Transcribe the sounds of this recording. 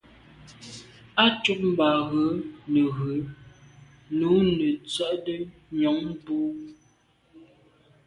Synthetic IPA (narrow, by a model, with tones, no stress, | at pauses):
a˦t͡ʃu˦p̚m̩˨ba˨ɣə˨˦nə˨ɣə˨˦ | nu˨˦nə˨t͡sɥa˦˨ʔdə˦ɲɔ˨˦ŋboː˦